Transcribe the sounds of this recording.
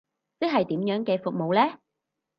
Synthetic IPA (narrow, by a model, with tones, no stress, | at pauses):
t͡sɪ˥ɦɐ˨jt̪iː˨˥mjœː˨˥ŋkɛː˧fʊ˨k̚mo˨˩wlɛː˥